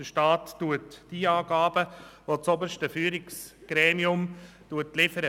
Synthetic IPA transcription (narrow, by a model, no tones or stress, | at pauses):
d̥əʃtɑːtːuətd̥iːɑːɡɑːbəʋot͡sobəɾʃtəfyːɾɪksɡ̥ɾɛːmiʊm | tuətlɪfəɾə